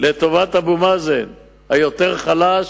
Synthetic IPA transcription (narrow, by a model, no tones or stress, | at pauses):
let̪o̞vat̪habumazen | hajo̞t̪eʁχalaʃ